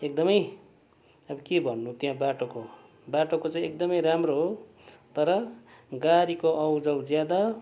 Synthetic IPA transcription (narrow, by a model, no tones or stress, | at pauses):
ek̚d̪ʌmʌj | ʌbʌkebʱʌnːut̪jãbaʈoko | baʈokot͡saij̃ek̚d̪ʌmʌjɾamroɦo | t̪ʌɾʌɡaɾikoʔʌwd͡zʌwd͡zjad̪a